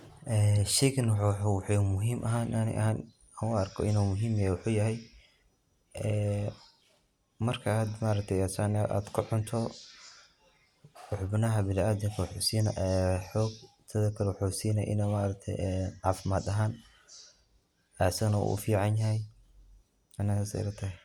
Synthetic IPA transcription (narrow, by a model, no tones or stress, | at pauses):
ʔɛːʃɛjkʰɐnwħuwħomʊɦiːmʔɐɦaːnːnɪ̰ʔɐ̰haːn | ɐʊɐrkʰɔ̰ɪnuːmʊɦiːmɐjawʊħuːjɐɦɛj | ɛː | mɐrkʰɐaːd̪maːɾɐk̚t̪ʰɛjasɐnʔa̰ːd̪kʰʊħʊnt̪ʰɔ | wɑħbɪnɐɦɐbɪlaːd̪ɪŋkʰɐwʊħuːsiːnʔɛħɔːɡ̚ | t̪ʰɐðɐkʰɐɾwʊħusiːnɐʔɪ̰nɛmaːɾɐk̚t̪ʰɛ̰jɛːnʕɑːfɪmaːd̪ɐɦaːn | ɛsɐnɐṵʔʊ̰fiːʕɑnjɐɦɛj | ʔɐnɐsasɛ̰ɾɐt̪ʰɐ